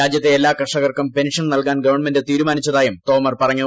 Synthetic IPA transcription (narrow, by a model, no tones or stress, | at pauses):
aːd͡ʑjɐt̪ːeelːaːkɐʂɐɣɐrkɐmpe̞nʂɐnnɐlkaːnɡɐʋɐrɳme̞ndet̪iːɾumaːnit͡ɕːɐðaːjumt̪o̞ːmɐrpɐrɐŋːu